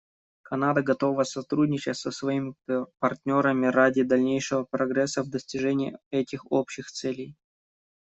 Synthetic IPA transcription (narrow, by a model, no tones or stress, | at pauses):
kɐnad̪əɡɐt̪o̞vəsɐt̪ɾudʲnʲɪt͡ɕɪtʲsəsvɐimʲɪpɐrtʲnʲo̞ɾəmʲɪɾadʲɪd̪ɐlʲnʲejʂɨvəpɾɐɡɾɛsːəvd̪əsʲtʲɪʐɛnʲɪɪ̰ɛtʲɪxopɕɪxt̪sɛlʲɪj